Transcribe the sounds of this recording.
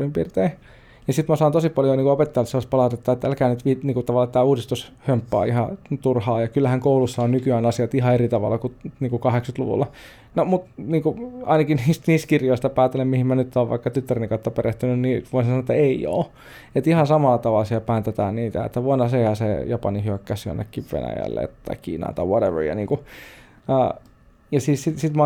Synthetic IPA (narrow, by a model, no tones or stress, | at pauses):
rimpḭrt̪ei | nisit̪mæsɑːnt̪osipɑljoniːkuopet̪ːelɑsespɑlɑˑut̪et̪ːɑet̪ːæælkæːnyt̪ʋiniːŋkut̪ɑʋɑlːɑt̪ːæːuːdist̪ushømpːɑ̰ːihɑt̪urhɑːjɑkylːæhæŋkoulusːɑonnykyæːnɑsiɑt̪iɦɑerit̪ɑʋɑ̰lːˑɑkuniːkukɑheksyt̪lṵʋṵlːɑ | nomut̪niːŋkuɑ̰inɑkiniːst̪niːst̪kirjoist̪ɑpæːt̪ːelemmihimmænyt̪ːoːʋʋɑ̰ikːɑt̪yt̪ːærinkɑt̪ːɑpereht̪ynynniːʋoinsesɑnoet̪ːæeio̰ː | et̪ihɑnsɑmɑlːɑt̪ɑʋɑlsiɑpæːnt̪et̪æːnniːt̪æ̰ḛt̪ːæʋuɑnɑseihæsejɑpɑnihyʋækkæsy̰nːḛkːiʋʋḛnæ̰jæ̰lːḛt̪t̪ːɑikḭːnɑ̰ːt̪ɑwɔɾeʋə̰jɑ̰niːŋku | ɑ̰ː | jɑsiːssit̪sit̪mɑ